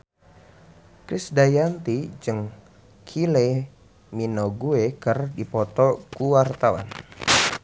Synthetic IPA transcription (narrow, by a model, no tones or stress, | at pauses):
kɾisdajant̪id͡ʒɨŋ | kʰile | minoɡuekərdipɔt̪ɔkuwart̪awa̰n